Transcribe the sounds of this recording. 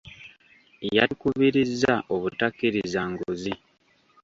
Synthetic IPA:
jaikuβiɾizːaʔoβutakːiɾizaŋɡuzi

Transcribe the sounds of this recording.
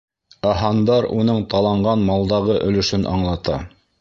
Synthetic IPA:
ɑɦɑnd̪ɑɾunɤɴt̪ɑlˠɑɴɢɑnmɑlˠd̪ɑʁɤʔɵ̆lɵ̆ʃɵnʔɑ̰ɴlˠɑt̪ɑ

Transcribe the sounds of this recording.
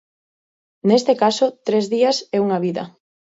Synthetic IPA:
nest̪ekasot̪ɾezðiasɛuŋaβiðɐ̰

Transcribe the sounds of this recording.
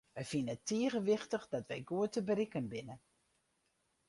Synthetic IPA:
ʋɛjfinətiəɣəʋɪxtəxdɔtʋɛjɡuətəbərikənbɪnə

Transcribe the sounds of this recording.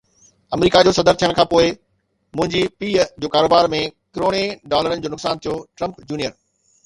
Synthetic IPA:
ɐmɾiːkad͡ʑoːsɐd̪əɾt̪ʰijəɽ̃kʰãːpoːɪ | mʊ̃ɦɪ̃ɲd͡ʑipiːd͡ʑoːkaːɾoːbaːɾmẽkɪɾoːɽ̃eɖaːləɾənɪd͡ʑoːnʊksaːnt̪ʰijoʈɾɐ̃mpd͡ʑuːnijəɾ

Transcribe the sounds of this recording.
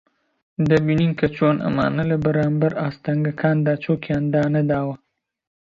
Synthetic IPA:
d̪ɐbininkʰɐt͡ʃoːnʔɐ̰ma̰ːnɐlɐbɐɾaːmbɐɾaːst̪ɐŋɡɐkʰaːnd̪aːt͡ʃʰokjaːnd̪aːnɐd̪aːwɐ

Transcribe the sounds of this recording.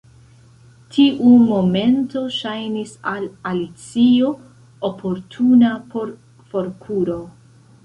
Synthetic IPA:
tʰiʔumo̞me̞nto̞ʃajnisalalit͡sio̞ | opʰo̞ɾtʰunapoɾ | fo̞ɾkʰuɾo̞

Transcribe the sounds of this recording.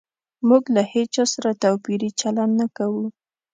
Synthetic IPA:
muɡlahet͡ʃɑsaɾat̪awpiɾit͡ʃalannakawu

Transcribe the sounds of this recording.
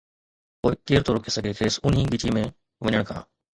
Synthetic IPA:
poːekeːɾt̪ʰoːɾokʰeːsəɡʱeːt̪ʰeːsʊnɦĩːɡɪt͡ʃiːmẽː | ʋəɲəɳ̃kʰã̰ː

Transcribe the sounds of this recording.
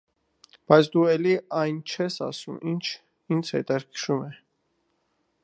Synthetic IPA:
b̥ɑjt͡sʰd̪uɛliɑjnt͡ʃʰɛsɑ̰sumint͡ʃʰ | int͡sʰhɛ̰t̪ɑɾkʰʃumɛ

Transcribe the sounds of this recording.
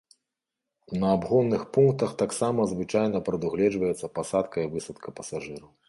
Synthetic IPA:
nɐːbɣɔnːɨxpunk̚t̪ɐxt̪aksamɐzvɨt͡ʂajnɐpɾɐd̪uɣlʲɛd͡ʐvɐjɛt̪sːɐpɐsat̪kɐivɨsɐt̪kɐpɐsaʐɨɾɐw

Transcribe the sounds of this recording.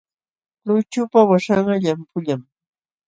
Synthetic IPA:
lʊt͡ʃʊpawaʂaɢɑʎampʰʊʎam

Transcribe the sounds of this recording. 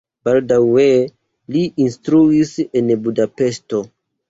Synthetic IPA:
b̥aldawe | liʔinstɾuise̞nbudape̞sto̞

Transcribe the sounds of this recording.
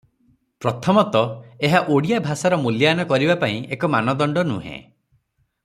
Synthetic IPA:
pɾɔt̪ʰɔmɔt̪ɔeɦaʔoɽijabʱasaɾɔmuljanɔkɔɾibapaĩekɔmanɔd̪ɔɳɖɔnṵ̃ɦḛ̃

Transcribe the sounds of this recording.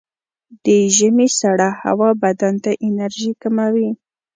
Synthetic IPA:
d̪̥əʒəmesaɽaha̰wɑbad̪ant̪aʔɪnaɾʒikamawi

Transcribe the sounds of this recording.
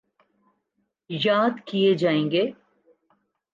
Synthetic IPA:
jaːd̪kijed͡ʒaːẽːŋɡeː

